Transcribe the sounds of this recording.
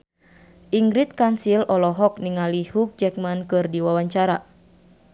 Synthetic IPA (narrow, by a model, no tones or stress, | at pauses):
ʔiŋɡɾit̪̚kansilɔlɔɦɔk̚niŋalihuk̚d͡ʒɛk̚mankɨrdiwawaɲt͡ʃaɾa